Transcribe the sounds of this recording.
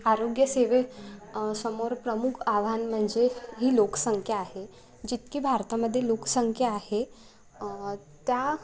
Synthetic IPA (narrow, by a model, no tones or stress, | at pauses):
aɾoɡjəseʋe | səmoɾpɾəmukʰaʋ̤anm̤əɳd͡zeɦiːlokə̥səŋkʰjəaɦe | d͡ʑit̪kiːbʱaɾt̪aməd̪ʱːjelokəsəŋkʰjəahe | t̪ja